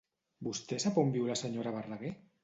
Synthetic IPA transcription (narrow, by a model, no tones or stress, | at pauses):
bust̪ɛsapombiwɾlasəɲoɾaβ̞araɣe